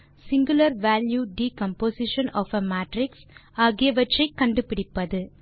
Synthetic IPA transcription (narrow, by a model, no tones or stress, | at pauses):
sɪŋɡʊlɐɾʋæːljuɖiːkɐmpoːsɪʂɐnɔːfɐmaːʈɾɪksaːɣɪjɐʋɐʈrɐɪkːɐɳɖɯpɪɽɪpːɐðɯ